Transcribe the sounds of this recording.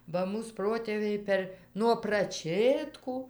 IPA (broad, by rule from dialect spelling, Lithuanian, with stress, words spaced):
ˈbɐ ˈmuːs ˈproːtʲeːʋʲɛɪ ˈpʲɛr nuɔ prɐˈt͡ʃʲeːtkuː